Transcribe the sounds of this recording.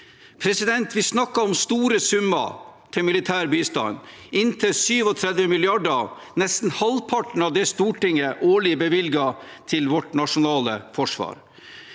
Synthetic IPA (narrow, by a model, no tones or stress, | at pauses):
pʰɾɛsɪd̪ɛnt̪ʰʋɪsnɑkːɑɔmst̪uːɾəsʉmɑ̰t̪ʰɪmɪlɪt̪ʰæːɾbyːst̪ɑ̰n | ɪnt̪ʰəsyːʋɔt̪ʰɾɛd̪ʋəmɪlɪɑɖə | nɛst̪n̩hɑlpʰɑʈɳ̩ɑʋd̪ɛst̪uːʈɪŋəʔoːɭɪəbəʋɪlɡɑt̪ʰɪlʋɔʈnɑʂʊnɑːləfɔʂʋɑ̰ːɾ